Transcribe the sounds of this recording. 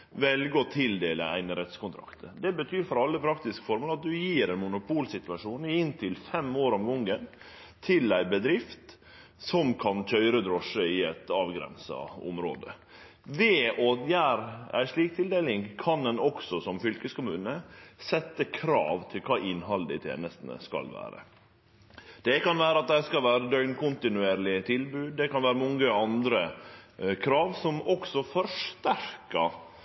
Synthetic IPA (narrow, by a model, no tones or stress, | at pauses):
ʋɛlɡəɔt̪ʰɪld̪eːlə̰æ̰ɪnəɾɛt̪skʊnt̪ʰɾɑ̰kt̪əd̪ɛbət̪ʰyːɾfɔɾɑlːəpʰɾɑkt̪ɪskfɔɾmoːlɑt̪̚d̪ʉjiːɾæɪnmʊnʊpʰuːlsɪt̪ʋɑʂuːnɪnt̪ʰɪlfɛmoːɾɔmɡɔŋːən | t̪ʰɪlæɪbəd̪ɾɪft̪ | sɔmkʰɑnc͡çʰœʏɾəd̪ɾɔʂəɪɛt̪ɑːʋɡɾɛ̰nsɑ̰ʊ̰mɾo̰ːd̪ə | ʋeojæːɾæ̰ɪʂɭiːk̚t̪ʰɪld̪eːlɪŋkʰɑnɛnɔksɔsɔmfʏlkəskʊmʉːnəsɛt̪ːəkʰɾɑ̰ːʋt̪ʰɪlkʰɑːʔɪnɦɑləd̪ɪ̰t̪ʰjḛːnəst̪nə̰skɑ̰lʋæ̰ːɾə̰ | d̪̥ɛkɑnʋæːɾəɑt̪̚d̪æɪskɑlʋæːɾəd̪œʏnkʊnt̪ɪnʉeːɾlɪət̪ʰɪlbʉːd̪̚d̪ɛkɑnʋæːɾəmɔŋəɑnd̪ɾə | kʰɾɑːʋsɔmɔksɔfɔɾʂt̪æɾkɑ